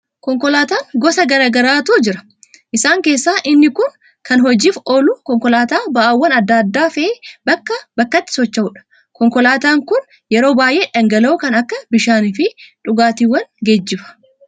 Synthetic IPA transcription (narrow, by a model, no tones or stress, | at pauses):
kɔŋkɔlaːt̪aːŋɡɔsɐɡɐɾaːɡɐɾaːt̪uːd͡ʒɪɾɐ̥ | ʔɪsaːŋke̞ːsːaːʔɪnːɪkʊn | kɐnɦɔd͡ʒiːfʔoːlʊkɔŋkɔlaːt̪aːbɐʔɐwːɐnɐd̪ːɐd̪ːaːfɛʔeːbɐkːɐbɐkːɐt̪ːɪ̥sɔt͡ʃːɐʊᶑɐ̥ | kɔŋkɔlaːt̪aːŋkʊn | jɛɾo̞ːbaːjʔe̞ːᶑɐŋɡɐlɐʊkɐnɐkːɐbɪʃaːnɪfɪᶑʊɡaːt̪iːwːɐnɡed͡ʒːɪfɐ̥